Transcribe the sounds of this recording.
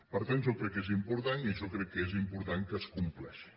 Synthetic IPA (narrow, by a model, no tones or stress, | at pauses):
pəɾt̪anʒɔkɾɛkːezimpuɾt̪aniʒɔkɾɛkːezimpuɾt̪aŋkəskumplɛʃi̥